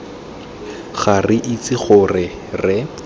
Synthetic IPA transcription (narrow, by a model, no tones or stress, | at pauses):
χarɪʔit͡sɪχʊrɪ | rɪ